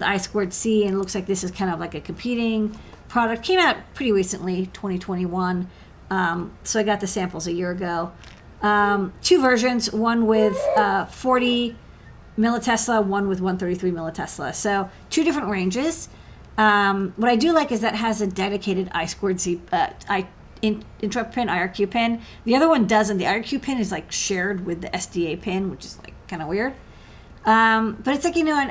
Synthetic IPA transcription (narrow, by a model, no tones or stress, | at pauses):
a̰ɪskɔɹdsiɨ̃nlʊkslaɪk̚ðɪsɨz̥kʰãɪ̃ndʌvlaɪkɨkʰm̩pʰiɾɪ̃ŋ | pʰɹ̥ɑɾɨk̚kʰẽɪ̃maʊt̚pʰɹ̥ɪɾiɹisɨ̃nʔlitʰw̥ɛ̃ɾ̃itʰw̥ɛ̃ɾ̃iwʌ̃n | ʌ̃msoʊaɪɡɑt̪̚ðɨsæ̃mpl̩ˠzɨjɪɹɨɡoʊ | ʌ̃mtʰʉvɜ˞ʒɨ̃nzwʌ̃nwɪð̥ʌfɔɹɾi | mɪlˠətʰɛsləwʌ̃nwɨðwʌ̃nθɜ˞ɾiθɹimɪlˠətʰɛslˠə̰soʊ | tʰʉɾɪfɹɨ̃nʔɹẽɪ̃nd͡ʒɪz̥ | ʌ̃mwʌɾaɪdɨlaɪkɨzðɨt̚ɦɨzɨdɛɾɨkʰeɪɾɨɾa̰ɪskɔɹdsiʌaɪ | ɪ̃n | ɪ̃nt͡ʃɹ̥əpʰɪ̃naɪɑɹkʰj̥ʉpʰɪ̃n | ðiʌðə˞wʌ̃ndʌzɨ̃nðiʔaɪɑ˞kʰj̥ʉpʰɪ̃nɨzlaɪkʃɛɹd̚wɪðiʔɛsd̥ieɪpʰɪ̃nwɨt͡ʃɨz̥la̰ɪkʰːãɪ̃ndəwɪɹd̥̚ | ʌ̃mb̥ʌɾɨtslaɪkjɨnoʊɨ̃n